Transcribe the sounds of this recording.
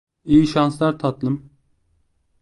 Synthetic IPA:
ijiʃanslˠaɾt̪ʰat̪lˠɯm

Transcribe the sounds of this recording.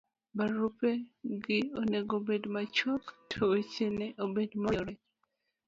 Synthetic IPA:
baɾupeɡɪoneɡobedmat͡ʃoktʰoet͡ʃeneʔobedmaɾɛ

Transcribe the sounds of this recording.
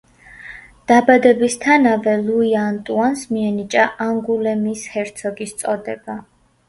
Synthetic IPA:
d̪̥abad̪ɛbist̪ʰanavɛluiant̪ʼuansmiɛnit͡ʃʼaʔaŋɡulɛmishɛɾt̪sʰɔɡist̪sʼɔd̪ɛba

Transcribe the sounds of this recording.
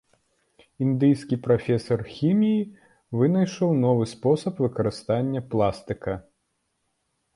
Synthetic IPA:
ind̪ɨjskʲipɾafʲɛsɐrxʲimʲiji | vɨnɐjʂɔwnɔvɨspɔsɐpvɨkɐɾɨst̪anʲːɐplˠast̪ɨkɐ

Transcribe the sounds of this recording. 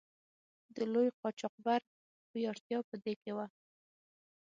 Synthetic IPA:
d̪əlojqɑt͡ʃɑq̚baɾ̚ | ujɑɾt̪jɑpəd̪ekewa

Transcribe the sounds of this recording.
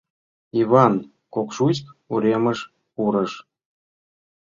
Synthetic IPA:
ivɑn | kokʃut͡ɕkuɾʲeməʃ | uɾəʃ

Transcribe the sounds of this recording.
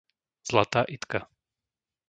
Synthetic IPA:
z̥lat̪aːʔit̪ka

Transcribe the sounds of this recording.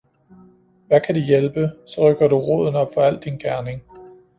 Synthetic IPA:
ʋækʰæd̥ijelb̥əsɒ̽ʁœɡ̥ɐɾuʁo̰ðˠn̩ɒ̽b̥fɒ̽æl̰d̥inɡ̥æɐne̝ŋ

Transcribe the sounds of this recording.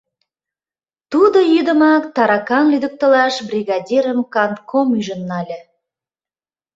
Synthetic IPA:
t̪ud̪ojyd̪ə̆mɑkt̪ɑɾɑkɑnlyd̪ə̆k̚t̪ə̆lɑʃbrʲiɣɑdʲiɾəmkɑnt̪kʰomyʒənːɑlʲĕ

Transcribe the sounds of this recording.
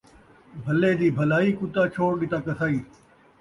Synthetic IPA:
bʱɐleːd̪iːbʱɐlaːiːkʊt̪aːt͡ʃʰoːɽɗɪt̪aːkɐsaːiː

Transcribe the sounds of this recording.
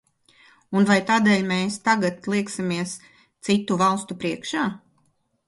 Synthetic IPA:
unvajt̪aːd̪eːlʲmeːst̪aɡat̪lˠiɛksimiɛs | t̪sit̪uvalˠst̪upɾiɛkʃaː

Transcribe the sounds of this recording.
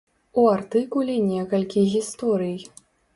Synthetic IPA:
uart̪ɨkulʲinʲɛkɐlʲkʲiɣʲist̪ɔɾɨj

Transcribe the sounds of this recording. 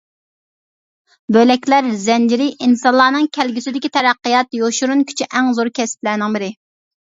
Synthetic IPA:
bølɛkʲlæɾzɛnd͡ʒɪɾɪʔinsɑnlˠɑːnɨŋkʲʰɛlɡʲisɪd̪ɪkʲit̪ʰɛɾæqːɨjɑt̪joʃuɾunkʲʰy̥t͡ʃʰyʔɛŋzoɾkʲʰɛsɪ̥p̪læɾnɪŋbɪɾɪ

